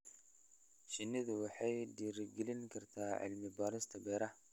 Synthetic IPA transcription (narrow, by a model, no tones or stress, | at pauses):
ʃɪnːɪðɐwɑħɑjdiːɾɪɡɪlɪŋkʰɐrt̪ʰaːʕɪ̰lmɪbaːɾɪst̪ʰɐbɛɾɐ